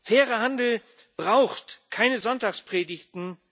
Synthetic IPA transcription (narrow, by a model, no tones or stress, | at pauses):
fɛːʁəhandl̩ | b̥ʁaʊxtkʰaɪnəzɔntaːkspʁ̥eːdɪçtn̩